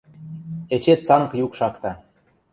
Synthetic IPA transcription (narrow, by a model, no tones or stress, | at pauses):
et͡ɕet̪̚t͡sɑnkjukʃɑkt̪ɑ